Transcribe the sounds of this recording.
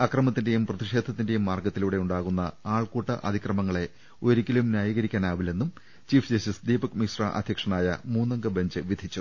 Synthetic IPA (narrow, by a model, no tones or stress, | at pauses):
ɐkrɐmɐt̪ːinde̞jumprɐðiʂe̞ːd̪ʱɐt̪ːinde̞jumːaːrɡɐt̪ːiluːɽe̞uɳɖaːɣunːɐaːɭkuːʈːɐʔɐ̰d̪ʱikrɐmɐŋːɐɭe̞ | oɾikʲːilumnjaːjɐɣɐɾikʲːaːnaːʋile̞nːum | t͡ɕiːfd͡ʑɐstisd̪iːbɐkmisra̰ʔɐ̰d̪ʱjɐkʂɐnaːjɐmuːnːɐŋɡɐbɐɲd͡ʑɨʋid̪ʱit͡ɕːu